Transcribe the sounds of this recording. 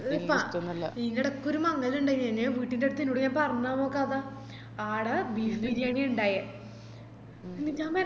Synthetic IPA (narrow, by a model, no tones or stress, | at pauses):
pːɐʈɐɐlːɐinːɐɽekːoɾumɐŋːɐiluɳɖeɲɐnːeʋiːʈːindeɽut̪ːinːuɽukːaːnpɐrɐɲːaːmoːkːɐɐða | aːɽɐbiliɾijaːɳiuɳɖaːjɐ | inːiɲaːme